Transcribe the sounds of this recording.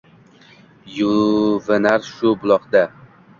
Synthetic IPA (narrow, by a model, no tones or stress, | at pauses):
juvɪnaɾʃʊbʊlˠɒqd̪a